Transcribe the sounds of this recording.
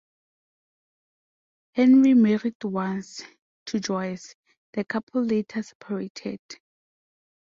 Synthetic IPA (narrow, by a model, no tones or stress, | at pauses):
hɛ̃nɹimɛɹidwãns | tʰud͡ʒɔjs | d̥əkʰapʰɔlːetʰasɛ̥pʰaɹetʰɛ̰d̥